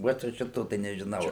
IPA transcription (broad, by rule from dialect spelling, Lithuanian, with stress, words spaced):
ˈʋoːt jɛʊ ˈʃʲɪtoː tɐɪ nʲɛʒʲˈɪnɐʊ